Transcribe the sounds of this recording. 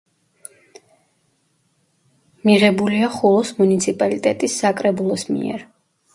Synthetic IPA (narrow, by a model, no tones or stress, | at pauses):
miʁɛbuliaχulˠɔsmunit̪sʰipʼalit̪ʼɛt̪ʼisːakʼɾɛbulˠɔsmḭɛ̰ɾ